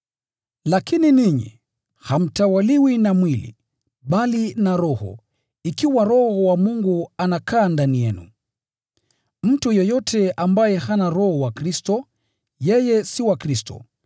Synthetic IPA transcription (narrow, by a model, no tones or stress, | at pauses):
lakininiɲḭ | ham̩tawaliwinamwilḭ | ɓalinaɾɔhɔ̰ | ikiwaɾɔhɔwamuŋɡuanakʰaːndanijɛnṵ | m̩tujɔjɔtʰɛʔambajɛhanaɾɔhɔwakɾistɔ | jɛjɛsiwakɾistɔ̰